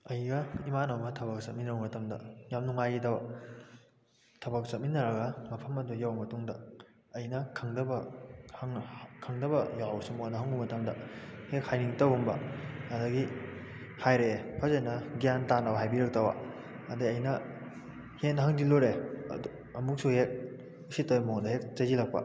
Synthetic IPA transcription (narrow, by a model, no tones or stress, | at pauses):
ɐjɡɐimanɐwmɐtʰɐβɐk̚sɐ̰minɐwmɐtɐmdɐ̰jamnuŋajidaw | tʰɐbɐk̚sɐt̚minːɐɾɐɡɐmɐpʰɐmɐdujawmɐtuŋdɐ | ɐjnɐkʰɐŋdɐbɐhŋkʰɐŋdɐbɐjawsumonɐɦɐŋumɐtɐmdɐhek̚hajniŋtɐwumbɐ̰ɐdɐɡi | hajɾepʰɐzenɐɡijantanawɦajbiɾɐk̚tɐwa̰ | ɐdɐɐjnɐ | henɐɦaŋdiloɾeɐ̰du | ɐmuk̚suhek̚ | usitɐwmoŋdɐhek̚t͡ʃɐzilɐk̚pɐ̰